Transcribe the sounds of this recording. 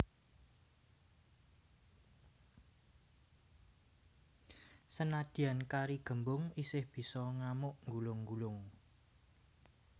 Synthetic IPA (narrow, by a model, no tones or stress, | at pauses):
sənad̪̥i̤ankaɾiɡ̥ə̤mbʊŋisɪhb̥i̤sɔŋamʊʔŋɡulʊŋɡulʊŋ